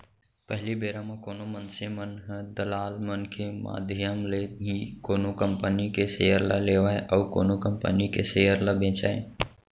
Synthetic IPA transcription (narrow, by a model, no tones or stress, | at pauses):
pəɦlibeːɾãmãkoːnomənsemənɦd̪əlaːlmənkʰema̰ːd̪ʱjəmleɦĩkoːnokəmpənikeseɦəɾlaleːʋaːeʔɔːko̰ːnokəmpə̰nikeseɦəɾlabẽːt͡ʃa̰ːḛ